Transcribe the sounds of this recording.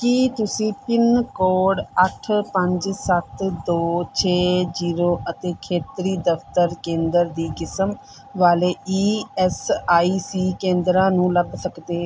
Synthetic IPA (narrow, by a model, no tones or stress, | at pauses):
kit̪ʊsĩːpɪnkɔːɽəʈʰpə̃ɲd͡ʒsət̪d̪oːt͡ʃʰeːd͡ʒiːɾoːʔət̪eːkʰeːt̪ɾiːd̪əft̪əɾkẽːnd̪əɾd̪iːkɪsəm | ʋaːleːiːɛsaːiːsiːkẽːnd̪ɾãːnũːləbsəkd̪eːɦ